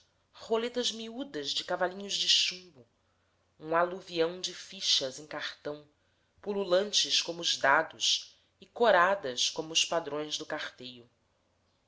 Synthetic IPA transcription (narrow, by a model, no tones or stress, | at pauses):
χolet̪ɐzmiud̪ɐzd͡ʒɪkavalĩɲʊzd͡ʒɪʃũbʊ | ũaluviɐ̃w̃d͡ʒɪfiʃɐzẽj̃kaχt̪ɐ̃w̃ | pululɐ̃nt͡ʃɪskõmʊʊzd̪ad̪ʊs | ɪkoɾad̪ɐskõmʊːspad̪ɾõj̃zd̪ʊkaχt̪ejʊ